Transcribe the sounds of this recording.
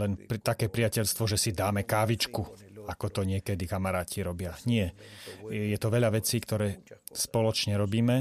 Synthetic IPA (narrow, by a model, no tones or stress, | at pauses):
lɛnpt̪akɛːpɾiacɛʎst̪ʋɔʒɛsid̪aːmɛkaːʋit͡ʃkuakɔt̪ɔɲɪɛkɛd̪ikamaɾaːcʰiɾɔbɪaɲɪɛ | jɛt̪ɔʋɛʎaʋɛt͡siːkt̪ɔɾɛːspɔlɔt͡ʃɲɛɾɔbiːmɛ